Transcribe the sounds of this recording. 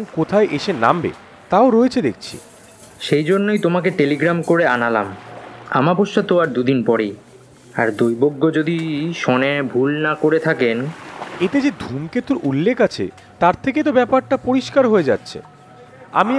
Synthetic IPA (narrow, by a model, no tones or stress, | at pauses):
ŋkot̪ʰaeʔeʃena̰mbḛ | t̪aoɾoet͡ɕʰed̪ek̚t͡ɕʰḭ | ʃejd͡ʑonːojt̪omakeʈeliɡɾamkoɾeanalama̰mapoʃːat̪oaɾd̪ud̪inpɔɾej | aɾd̪ojboɡːod͡ʑod̪iʃɔnebʱulnakoɾet̪ʰakenet̪ed͡ʑed̪ʱumket̪uɾulːekʰat͡ɕʰḛ | t̪aɾt̪ʰeket̪obɛpaɾʈapoɾiʃkaɾɦoed͡ʑa̰tːɕʰḛ | a̰mi